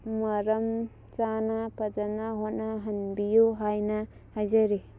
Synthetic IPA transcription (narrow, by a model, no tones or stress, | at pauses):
mɐɾɐm | t͡ʃanapɐd͡ʒanaɦot̚naɦɐnbijuɦajna | hajzaɾi